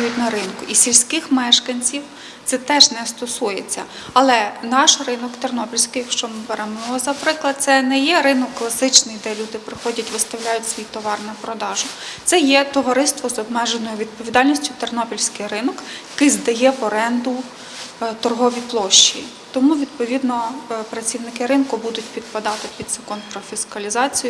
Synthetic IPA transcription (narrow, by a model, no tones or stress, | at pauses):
jʊtʲnɐɾɪnkʊʔisʲilʲsʲkɪxmɛʃkɐnʲt͡sʲiw | t̪sɛt̪ɛʒnɛst̪ɔsujet͡sʲːɐ̰ | ɐlˠɛnɑʃrɪnɔkt̪ernɔpʲilʲsʲkɪjɐkʃt͡ʃɔmɪbeɾɛmɔɔzɐpɾɪklˠɐd̪̚t̪sɛnɛjɛɾɪnɔkːlˠɐsɪt͡ʃnɪjd̪ɛlʲud̪ɪpɾɪxɔdʲɐtʲʋɪst̪ɐwlʲajʊtʲsʋʲijt̪ɔʋɑrnɐpɾɔd̪ɑʒʊt̪sɛjɛt̪ɔʋɐɾɪst̪ʋɔzɔbmɛʒenɔjʊʋʲid̪̚pɔʋʲid̪ɑlʲnʲisʲtʲʊt̪ernɔpʲilʲsʲkɪjɾɪnɔkjɐkɪjzd̪ɐjɛpɔɾɛnd̪ʊ | t̪ɔrɦɔʋʲiplˠɔʃt͡ʃḭ | t̪ɔmuʋʲid̪̚pɔʋʲid̪nɔpɾɐt͡sʲiwnɪkɪɾɪnkʊbud̪ʊtʲpʲid̪̚pɐd̪ɑt̪ɪpʲid̪sɐkɔnpɾɔfʲiskɐlʲizɑt͡sʲijʊ